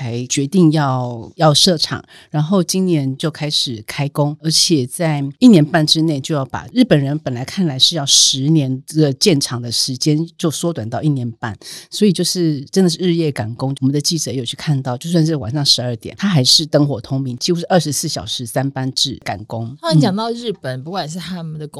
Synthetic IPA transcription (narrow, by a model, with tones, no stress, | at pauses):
a˧˥ɪt͡ɕɥɛ˧˥t̪i˥˧ŋjɑ˥˧ʊjɑ˥˧ʊʂɤ˥˩ʈ͡ʂʰɑ̰˨˩ŋ | ɻa˧˥nxo˥˩ʊt͡ɕi˥nnjɛ˧˥nt͡ɕjo˥˩ʊkʰa˥ɪʂɻ̩˨˩kʰa˥ɪkʊ˥ŋə˞˧˥t͡ɕʰjɛ˨˩t͡sa˥˩ɪi˥˩njɛ˧˥npa˥˩nʈ͡ʂɻ̩˥ne˥˩ɪt͡ɕjo˥˧jɑ˥˩ʊpa̰˨˩ɻɻ̩˥˩pə˨˩nɻə˧˥npə˨˩nla˧˥ɪkʰa˥˩nla˧˥ɪʂɻ̩˥˧jɑ˥˩ʊʂɻ̩˧˥njɛ˧˥nɡə˨t͡ɕjɛ˥˩nʈ͡ʂʰɑ˨˩ŋd̪ə˨ʂɻ̩˧˥t͡ɕjɛ˥nt͡ɕjo˥˩ʊswɔ˥t̪wa˨˩nt̪ɑ˥˧ʊi˥˩njɛ˧˥˦npa̰˥˩nswɔ˧˥i˨˩t͡ɕjo˥˧ʊʂɻ̩˥˩ʈ͡ʂə˥nd̪ə˨ʂ̬ɻ̩˥˧ɻ̩˥˧jɛ˥˩ka˨˩nkʊ˥ŋɔ˨mə˨˦nd̪ə˩t͡ɕi˥˩ʈ͡ʂɤ˨˦jo˨˩t͡ɕʰy˥˧kʰa˥˧nt̪ɑ˥˧ʊt͡ɕjʊswa˥˧nʂ̬ɻ̩˥˩wa̰˨˩nʂɑ˥˩ŋʂɻ̩˧˥ə˞˥˩t̪jɛ̰˨˩˦nt̪ʰa˥xa˧˥ɪʂɻ̩˥˩t̪ɤ˥ŋxwɔ˨˩t̪ʰʊ˥ŋmi˧˥˦ŋt͡ɕʰi˧˥xu˧˥ʂɻ̩˥˩ʔə˞˥˩ʂɻ̩˧˥sɹ̩˥˩ɕjɑ˨˩ʊʂɻ̩˧˥sa˥npa˦˥nʈ͡ʂɻ̩˥˩ka̰˨˩nkʊ˥ŋ˥˧˦t͡ɕjɑ˨˩ŋt̪ɑ˥˧ʊɻɻ̩˥˩pə˨˩npu˧˥kwa˨˩ʂ̬̩˥˩t̪ʰa˥mə˨nd̪ə˩k